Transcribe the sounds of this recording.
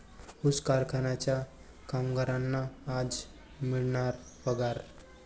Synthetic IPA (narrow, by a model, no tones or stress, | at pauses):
uskaɾkʰanat͡ɕja | kamɡaɾanːaːd͡z | miɭɳaɾ | pəɡaɾ